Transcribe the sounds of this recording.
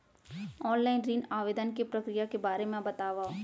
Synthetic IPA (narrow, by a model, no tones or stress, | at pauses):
ɔːnlaːɪnɾiːnaːʋeːd̪ənkepɾɐkɾijakebaːɾemẽbɐt̪aːʋa